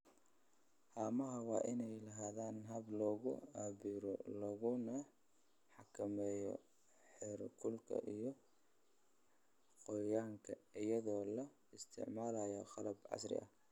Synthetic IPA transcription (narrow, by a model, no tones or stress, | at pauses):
haːmɐɦɐwɑːʔɪnɛjlɐɦaːðaːnɦɐblɔːɣʊaːβiɾɔ̰lɐɣʊnɐ | ħɑkʰɐmɛːjɔ̰ | ħɛɾkʰʊlkʰɐ̰ʔijɔ | qɔjaːŋkʰɐɪjɐðɔːlɐ | ɪst̪ʰɪ̰ʕmaːlajɔqɑlɐbʕɑ̰srɪ̰ʔɐ̰